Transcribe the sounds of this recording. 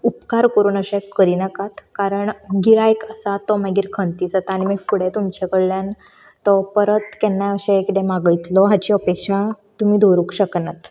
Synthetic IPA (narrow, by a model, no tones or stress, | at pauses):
upkaɾkəɾuːnəɕẽkəɾinəkat̪kaɾəɳɡiɾajkəsat̪ːɔmaɡiːɾkʰənt̪iːd͡zət̪añimefuɽet̪umt͡ɕekəɽljan | t̪ɔpəɾət̪kɛnːaəɕekit̪ẽmaɡəjt̪lɔɦat͡ɕiəpekʂa | t̪um̤iːd̪ʱoɾukɕəknat̪